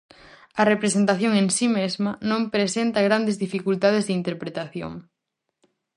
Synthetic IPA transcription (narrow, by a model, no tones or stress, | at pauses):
ɐrepɾesent̪aθjoŋẽnsimezmɐnõmpɾesent̪ɐɣɾand̪ezðifikult̪að̞ezðint̪eɾpɾet̪aθjo̰ŋ